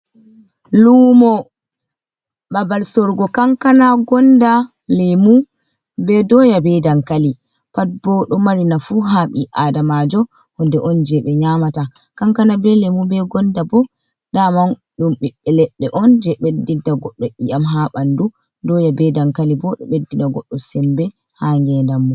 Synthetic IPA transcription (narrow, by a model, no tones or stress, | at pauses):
lumɔ | babalsɔɾɡɔkaŋkanaɡɔnda | lemu | bɛdɔjabɛdaŋkali | pat̚bɔɗɔmaɾinafuɦaɓiʔadamad͡ʒɔ | hɔndɛʔɔnd͡ʒɛɓɛɲamata | kaŋkanabɛlemubɛɡɔndabɔ | daman | ɗumɓiɓɛlɛɓːɛʔɔnd͡ʒɛɓedːintaɡɔɗːɔʔijamɦaɓandu | dɔjabɛdaŋkalibɔɗɔ̰ɓedːinaɡɔɗːɔsɛmbɛ | haŋɡɛndamːɔ